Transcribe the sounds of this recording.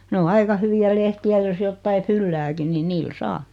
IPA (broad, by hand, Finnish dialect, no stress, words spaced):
ne o ɑikɑ hyʋiæ lehtiæ jos jotːɑi fylːæːkin ni niːl sɑː